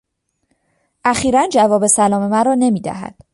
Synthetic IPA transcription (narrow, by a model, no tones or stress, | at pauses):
ʔæxiːɾænd͡ʒævɒːbesælɒːme̞mæɾɒːne̞miːd̪æ̰ɦæ̰d̪̥